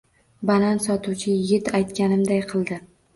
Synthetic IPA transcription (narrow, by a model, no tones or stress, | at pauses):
balansɒt̪ʰuwt͡ʃʰɪjɪɡʲɪt̪ajt̪kʲanɪmd̪ajqʰɨlˠd̪ɪ